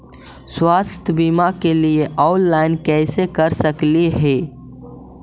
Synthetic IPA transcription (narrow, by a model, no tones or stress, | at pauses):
swaːst̪ʰjəbimakelieʔaʊllaːɪnkɛːsekəɾsəkliɦɛː